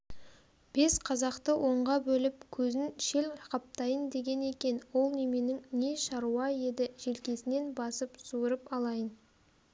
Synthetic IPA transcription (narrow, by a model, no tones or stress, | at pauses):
b̥e̞sqʰɑzɑqt̪əwʔo̞ɴʁɑbɵlɪp̚kʲʰɵzɪnʃe̞lqʰɑp̚t̪ɑjənd̪e̞ɡʲe̞ne̞kʲe̞nwo̞lˠne̞me̞nɪŋne̞ʃɑɾuwɑje̞d̪ɪʒ̥e̞lkʲe̞sɪne̞nbɑsəpsuɾəpɑlˠɑjən